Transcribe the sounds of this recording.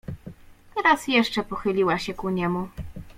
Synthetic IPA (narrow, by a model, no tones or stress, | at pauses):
t̪ɛɾasjɛʂt͡ʂɛpɔxɘlʲiwaɕɛkuɲɛmu